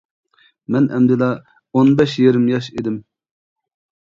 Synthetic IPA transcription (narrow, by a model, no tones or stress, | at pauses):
mɛnʔɛ̰md̪ɪlɑ | onbɛʃjeɾɪmjɑʃed̪ɪm